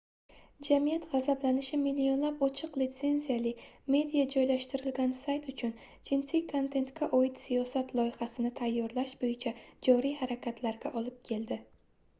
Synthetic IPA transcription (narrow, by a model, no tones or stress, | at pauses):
d͡ʒamijat̪ʁazablanɪʃɪmilːio̞nlapɒt͡ʃʰɨqlɪt̪se̞nzijalɪme̞d̪ijad͡ʒɒjlaʃt̪ɪɾɪlɡʲansajt̪ʊt͡ʃʰʊn | d͡ʒɪnsɪkʰont̪ʰe̞nt̪kʲʰaʔojɪt̪sijɒsat̪lˠɒjɪhasɪnɪt̪ʰajːɒɾlaʃbojɪt͡ʃʰad͡ʒɒɾijhaɾakʲat̪ʰlaɾɡʲaʔɒlˠɪp̚kʲʰe̞ld̪ɪ